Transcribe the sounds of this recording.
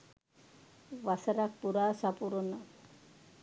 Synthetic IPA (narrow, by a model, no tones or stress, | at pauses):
ʋasaɾak̚puɾaːsapuɾona